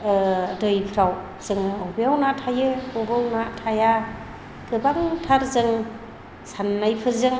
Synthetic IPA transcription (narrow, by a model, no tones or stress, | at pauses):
dɯjpʰɾaw | z̥ɯŋɯobejawnatʰajɯobɯwnatʰaja | ɡ̥ɯbaŋtʰaɾzɯŋ | sanːajpʰɯɾzɯŋ